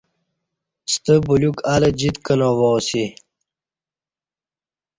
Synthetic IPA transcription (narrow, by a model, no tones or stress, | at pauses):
st̪əbulukaləd͡ʑit̪kənowowsi